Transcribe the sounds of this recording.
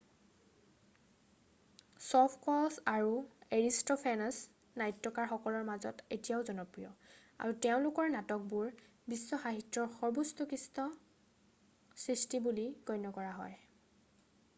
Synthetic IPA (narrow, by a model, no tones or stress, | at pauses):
sɔpʰkɔlsaɹueɹistɔpʰanas | najtːɔkaɹxɔkɔlɔɹmazɔ̰tetijaʊzɔnɔpɹijɔ̰ | a̰ɹuteʊ̃lʊkɔɹnatɔk̚buɹ | bisːɔxaɦitɹɔɹxɔɹbustukistɔ | sɹistibuliɡɔjnɔkɔɹaɦɔ̰j